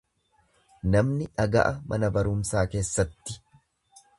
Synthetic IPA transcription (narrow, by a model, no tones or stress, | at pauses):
nɐmnɪᶑɐɡɐ̰ʔɐmʔɐnɐbɐɾʊmsaːke̞ːsːɐt̪ːɪ̥